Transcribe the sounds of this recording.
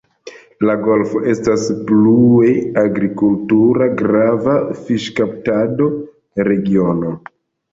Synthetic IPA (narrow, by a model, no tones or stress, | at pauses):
laɡo̞lfo̞ʔe̞stasplueaɡɾikultuɾaɡɾavafiʃkaptado̞ | ɾe̞ɡio̞no̞